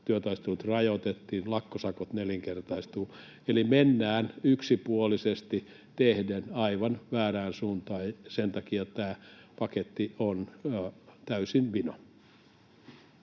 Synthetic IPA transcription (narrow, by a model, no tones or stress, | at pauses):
t̪yøt̪ɑist̪uːt̪rɑjot̪et̪ːiːnlɑkːosɑkot̪neliŋkert̪ɑist̪uː | elimenːæːnyksipuolisest̪i | t̪ehdenɑiʋɑnʋæːræːnsuːnt̪ɑːjsent̪ɑkijot̪t̪æːpɑket̪ːion | t̪æysinʋino̰